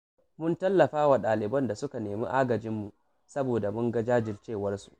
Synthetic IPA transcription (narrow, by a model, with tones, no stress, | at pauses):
mʊ˦ntɐ˦lːɐ˨ɸaː˦wa˨ɗaː˨lɪ˨bɐ˦nda˨sʊ˦ka˨neː˨mḭ˦ʔaː˦ɡɐ˨d͡ʒɪ˦mːu˨ | sɐ˦boː˨da˨mʊ˦ŋɡa˦d͡ʒaː˦d͡ʒɪ˨lt͡ʃeː˦˨wɐ˦rsu̥˨ʔ